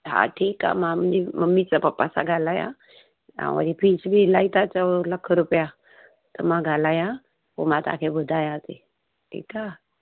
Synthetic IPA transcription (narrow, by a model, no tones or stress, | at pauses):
ɦa̰ʈʰiːka̰mam̤əd͡ʑeməmit͡sapəpːasa̰ɡʱalajã̰ | ã̰ʋa̰ɾipit͡sbʱilait̪at͡sələkʰːəɾupja | t̪əmaɡʱalaja | pə̰mat̪a̰kʰebəd̪ʱajãt̪e | ʈʰḭka